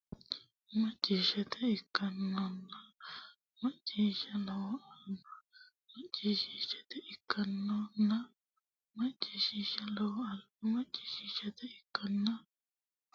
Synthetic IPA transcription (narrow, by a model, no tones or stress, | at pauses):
mɐt͡ʃʼːiːʃɐt̪ɛɪkːɐnːɔnːɐ | mɐt͡ʃʼːiːʃɐlɐwɐnɐ | mɐt͡ʃʼːiːʃiːʃɐ̥t̪ɛʔɪkʰːɐnːɔnːɐ | mɐt͡ʃʼːiːʃiʃɐlɐw | mɐt͡ʃʼːiːʃiʃɐt̪ɛɪkːɐnːɐ